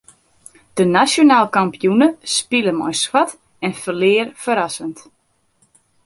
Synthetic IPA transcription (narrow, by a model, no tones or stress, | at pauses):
d̥ənasjonaːlˠkampijunəspiləmɔ̰jswat | ɛnfəlɪərfəɾasənt